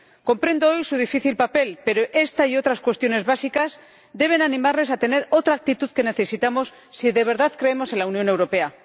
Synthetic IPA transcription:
ko̞mpɾe̞nd̪oojsuð̞ifiθilpape̞lpe̞ɾo̞ʔe̞st̪aio̞t̪ɾaskwe̞st̪jo̞ne̞zβasikaz | d̪e̞β̞e̞nanĩmaɾlesat̪e̞ne̞ɾo̞t̪ɾaːk̚t̪it̪uðke̞ne̞θe̞sit̪amo̞sːiðe̞β̞e̞ɾðaðkɾe̞emo̞se̞nlaunjo̞ne̞wɾo̞pe̞a

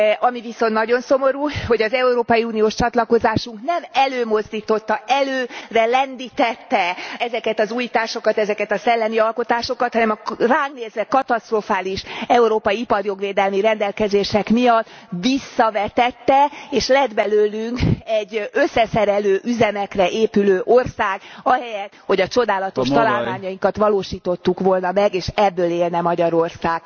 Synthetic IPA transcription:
ɒmiviso̞nnɒɟo̞nso̞mo̞ɾuːho̞ɟɒzɛuɾoːpɒjiuːnijoːʃt͡ʃɒt̪lɒko̞zaːʃuŋknɛmɛløːmo̞zd̪iːt̪o̞t̪ːɒʔɛløːrɛlɛnd̪it̪ɛt̪ːɛɛzɛkɛt̪ɒzuːjit̪aːʃo̞kɒt̪ɛzɛkɛt̪ɒsɛlːɛmiɒlko̞t̪aːʃo̞kɒt̪hɒnɛmɒraːŋɡneːzʋɛkɒt̪ɒst̪rofaːliʃɛuɾoːpɒjiipɒrjo̞ɡʋeːd̪ɛlmiɾɛnd̪ɛlkɛzeːʃɛkmijɒt̪ː | ʋisːɒvɛt̪ɛt̪ːɛeːʃlɛd̪bɛløːlyŋkɛɟːø̞sːɛsɛɾɛløːʔyzɛmɛkrɛʔeːpyløːʔorsaːɡɒɦɛjɛt̪ho̞ɟɒt͡ʃo̞d̪aːlɒt̪oʃt̪ɒlaːlmaːɲɒjiŋkɒt̪ʋɒloːʃiːt̪o̞t̪ːukʋo̞lnɒmɛɡeːʃɛbːøːleːlnɛmɒɟɒɾo̞rsaːɡ̥

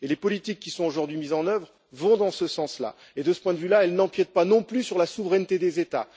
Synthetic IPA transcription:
elepɔlit̪ikʲːisɔ̃oʒuʁd̪ɥimizɑ̃nœvʁ | vɔ̃d̪ɑ̃səsɑ̃sla̰ | ed̪əsə̥pwɛ̃d̪əvylaɛlnɑ̃pjɛt̪̚panɔ̃plysyʁlasuvʁɛnt̪ed̪ezet̪a̰

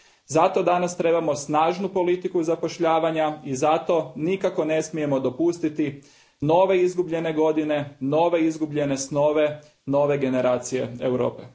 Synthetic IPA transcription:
zat̪o̞d̪anast̪ɾe̞bamo̞snaːʒnupo̞lit̪ikuzapo̞ʃʎaːʋaɲaizat̪o̞nikako̞ne̞smije̞mo̞d̪o̞pust̪it̪i | no̞ːʋe̞izɡubʎe̞ne̞ɡo̞d̪ine̞no̞ʋe̞izɡubʎe̞ne̞sno̞ʋe̞ | no̞ːʋe̞ɡe̞ne̞ɾaːt̪sije̞̰ewɾo̰ːpe

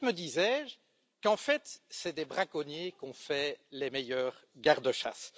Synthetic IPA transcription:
məd̪izɛʒ | kɑ̃fɛt̪sɛd̪ɛbʁakɔnjekɔ̃fɛlɛmejœːʁɡaʁd̪əʃa̰s

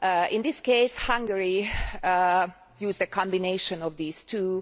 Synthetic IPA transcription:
ʔɪ̃nd̪ɪskeɪshãŋɡəɹi | juːzdɨkʰɑ̃mbɪneɪʃə̃nɔvðiːz̥tʰu

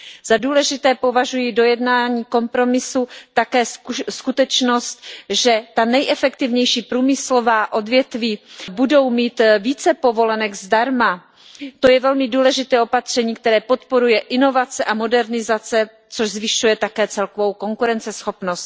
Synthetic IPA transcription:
z̥aduːlɛʒɪt̪ɛːpo̞vaʒujido̞jɛdnaːɲiːko̞mpɾo̞mɪsut̪akɛːskut̪ɛt͡ʃno̞st̪ʒɛt̪anɛjʔɛfɛkt̪ɪvɲɛjʃiːpɾuːmɪslo̞vaːʔo̞dvjɛt̪viːbudo̞wmiːt̪viːt͡sɛpo̞vo̞lɛnɛɡzdaɾma | t̪o̞jɛvɛlmɪduːlɛʒɪt̪ɛːopat̪r̝̥ɛɲiːkt̪ɛɾɛːpo̞t̪po̞ɾujɛʔɪno̞vat͡sɛʔamo̞dɛɾnɪzat͡sɛ | t͡so̞ʒzvɪʃujɛt̪akɛːt͡sɛlkovo̞wko̞ŋkuɾɛnt͡sɛsxo̞pnost̪

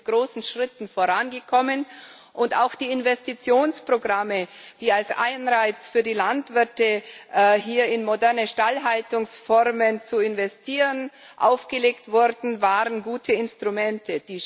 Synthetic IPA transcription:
ɡ̥ʁoːsn̩ʃʁ̥ɪtn̩foːɐʁanɡəkʰɔmən | ʔʊnta̰ʊxd̥iːɪnvɛstit͡sjoːnspʁ̥oɡʁaməd̥iːalsʔa̰ɪnʁaɪt͡sfyːɐdiːlantv̥ɪɐtə | ɦiːɐɪnmodɛɐnəʃtalɦaltʊŋsfɔʁmənt͡suɪnvɛstʰiːʁən | ʔa̰ʊfɡ̥əleːktv̥ʊʁdn̩vaːʁənɡuːtʰəɪnstʁ̥umɛntʰəd̥iː

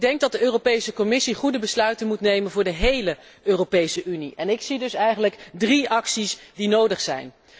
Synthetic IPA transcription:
dɛŋɡ̚dɑt̚dəøːrowpejsəkɔmɪsiχudəbəslœɥtənmutnejmənvʊːɹdəɦejlə | øːropejsəʔyniʔɛnɪksidɵsɛjχənləkdriɑksisdinowdəχsɛ̰jn

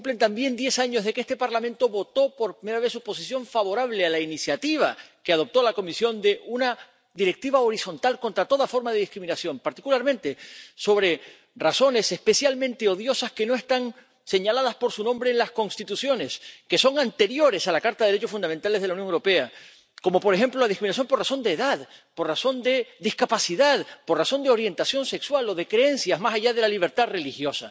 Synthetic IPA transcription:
kumple̞nt̪ambje̞nd̪je̞saɲo̞zðe̞keest̪epaɾlamẽnt̪o̞βo̞t̪o̞po̞ɾpɾimeɾaβe̞ssːupo̞sisjo̞ɱfaβo̞ɾaβlealainisjat̪iβ̞a̰keað̞o̞p̚t̪o̞lako̞misjo̞nd̪e̞ʔuna | ðiɾe̞k̚t̪iβao̞ɾiso̞nt̪alko̞nt̪ɾat̪o̞ðafo̞ɾmaðeðihkɾimĩnasjo̞mpaɾt̪ikulaɾmẽ̞nt̪e̞so̞βɾe̞ | raso̞ne̞se̞spe̞sjalmẽnt̪eo̞ðjo̞saske̞no̞e̞st̪aŋ | se̞ɲalaðaspo̞ɾsunõmbɾe̞ːnlasko̞nst̪it̪usjo̞ne̞ske̞so̞ŋant̪e̞ɾjo̞ɾe̞salakaɾt̪aðeɾet͡ʃo̞sfund̪ament̪ale̞zðelaunjoŋewɾo̞pe̞a | ko̞mo̞po̞ɾe̞xe̞mplolaðihkɾinasjo̞mpo̞raso̞nd̪e̞ːðaðpo̞raso̞nd̪e̞ðihkapasiðaðpo̞raso̞nd̪eo̞ɾje̞nt̪asjo̞nse̞kswalo̞ðe̞kɾeensjazmasaʝaðe̞laliβ̞e̞ɾt̪aðre̞lixjo̞sa̰

